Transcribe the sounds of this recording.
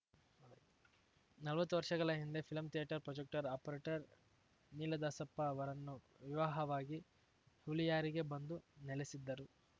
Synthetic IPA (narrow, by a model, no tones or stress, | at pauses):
nɐlʋɐt̪ːuʋɐɾʂɐɡɐɭɐɦind̪e̞pʰilɐmt̪ijaʈɐɾpɾɔd͡ʒek̚ʈɐɾɐːpɐɾeːʈɐɾ | niːlɐd̪ɐsɐpːɐːʋɐɾɐnːu | ʋiʋaːɦɐʋaːɡi | hulijaːɾiɡe̞bɐnd̪unɛlesid̪ːɐɾu